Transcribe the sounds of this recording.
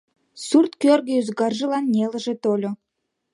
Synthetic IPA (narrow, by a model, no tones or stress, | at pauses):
surt̪kørɣəyzɡɑrʒəlɑnːʲelə̆ʒet̪olʲo